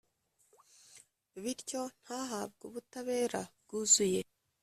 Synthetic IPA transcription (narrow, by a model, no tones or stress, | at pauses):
βiɾco̞n̥haːɦabɡuβutaβe̞ːɾabɡuzuje̞